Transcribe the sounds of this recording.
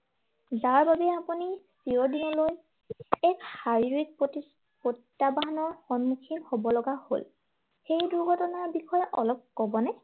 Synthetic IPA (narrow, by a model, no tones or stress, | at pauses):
zaɹbabɛapunispiɔdinɔloj | ɛkhaɹiɹik̚pt | pottːabaɦanɔɹxɔnmukʰinhobɔlɔɡaho̰l | xejduɹɡʱɔtɔnaɹbixʰɔjɛʔɔlɔp̚kɔbɔnɛ